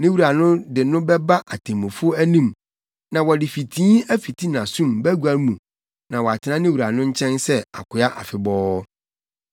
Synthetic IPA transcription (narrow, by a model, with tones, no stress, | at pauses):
nɪ̃˦wu˨ɾa˨nʊ̃˦dɪ˨nʊ̃˦bɛ˦ba˦ʔa˨tʰẽ˨mõ˨fʊ˦ɔ˦æ˦nĩ˦˨m | nã˨wɔ˨dɪ˨fi˨tʰĩ˦æ˦fi˨tʰi˦nã˨sũ˦˨mbæ˦ɡu˦a˨n˦mũ˨ | nã˨wɔ˨a˨tʰɪ˨nã˦nɪ̃˦wu˨ɾa˨nʊ̃˦ɲ̩˦t͡ɕʰɛ̃˦nsɛ˦a̰˨kʰʊ˨a˦ʔa̰˨fɪ˨bɔː˦